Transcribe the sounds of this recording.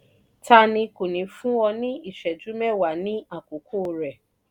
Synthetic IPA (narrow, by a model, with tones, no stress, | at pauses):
ta˦nĩ˧ko˨nĩ˨˦fũ˦ɔ˧nĩ˦i˦˨ʃɛ˨d͡ʒu˨˦mɛ̃˦˨wa˨nĩ˦a˦˨ko˨kʰoː˦˨ɾɛ˨